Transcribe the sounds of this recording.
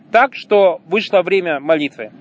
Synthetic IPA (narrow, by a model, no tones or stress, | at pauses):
t̪akʂt̪ovɨʂlˠəvɾʲemʲəmɐlʲit̪vɨ